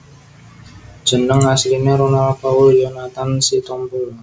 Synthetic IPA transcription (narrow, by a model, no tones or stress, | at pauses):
d̥ʒ̥ə̤nəŋaslineɾonalpauljɔnat̪ansit̪ɔmpʊl